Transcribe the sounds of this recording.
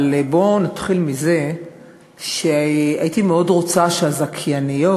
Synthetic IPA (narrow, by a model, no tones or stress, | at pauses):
lebo̞nat̪χilmize̞ | ʃeajitimeo̞dʁo̞t͡saʃeazakʰjanijo